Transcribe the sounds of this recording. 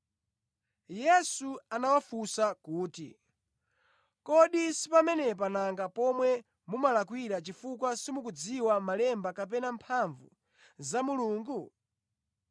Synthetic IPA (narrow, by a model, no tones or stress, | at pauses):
jɛsuanawafusakuːtḭ | kɔɗisi̥pamɛnɛp̬anaŋɡapɔmwɛ | mumalak̬wiɾat͡ʃifukwasimuk̬ud͡ziwamalɛmbakap̬ɛnampʰaɱvṵ | zamuluːŋɡu